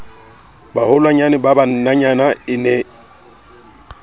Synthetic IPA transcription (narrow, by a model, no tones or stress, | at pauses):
bahʊlwaɲanɪbaban̩naɲanaɪnɛ